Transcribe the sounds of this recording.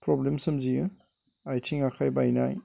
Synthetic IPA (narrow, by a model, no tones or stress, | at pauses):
pɾɔblemsɯmziɯ | ajtʰiŋakʰajbajna̰j